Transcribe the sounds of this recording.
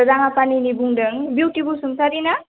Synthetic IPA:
zaŋapaninibuŋɖəŋbjiwʈibusumsaɾina

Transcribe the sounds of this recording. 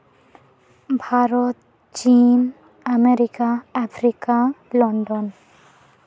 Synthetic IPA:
bʱaɾɔt̪̚ | t͡ʃt͡ɕin | ameɾikaapʰɾikalɔɳɖɔn

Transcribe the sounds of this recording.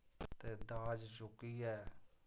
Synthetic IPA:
t̪eːd̪aːd͡ʒt͡ʃʊkːiːɛː

